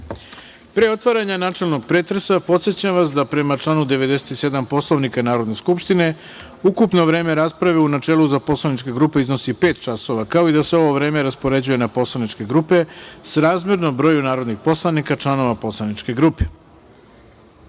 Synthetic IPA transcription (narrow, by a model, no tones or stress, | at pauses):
pɾeo̞t̪ʋaɾaɲanaːt͡ʃe̞lˠno̞ɡ̚pɾeːt̪ɾesapo̞t̪sjet͡ɕamʋasd̪apɾe̞mat͡ʃlˠanud̪eʋe̞d̪e̞set̪ise̞d̪ampo̞slˠoʋnikanaːɾo̞d̪ne̞skupʃt̪ine̞ | ukupno̞ʋɾe̞ːme̞ɾaspɾaʋeunat͡ʃeːluzapo̞slˠanit͡ʃke̞ɡɾupe̞izno̞sipe̞ːt̪t͡ʃaso̞ʋakao̞id̪aseo̞ʋo̞ʋɾe̞ːmeɾaspo̞ɾe̞d͡ʑuje̞napo̞slˠanit͡ʃke̞ɡɾupe̞sɾaːzmʲjeɾnombɾo̞ːjunaːɾod̪nixpo̞slˠanikat͡ʃlˠano̞ʋapo̞slˠanit͡ʃke̞ɡɾuːpe̥